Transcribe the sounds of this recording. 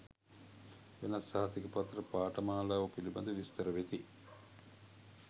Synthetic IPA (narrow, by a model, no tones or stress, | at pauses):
ʋenasːaɦɐt̪ikəpat̪ɾəpaːʈɐmaːlaːʋɐpilibɐd̪əʋist̪əɾəʋet̪i